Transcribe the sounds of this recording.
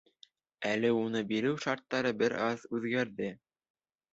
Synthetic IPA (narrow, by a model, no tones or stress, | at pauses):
ælɘunɤbiɾɘwʃɑɾt̪ːɑɾɤbɘɾɑðʉðɡæɾðɘ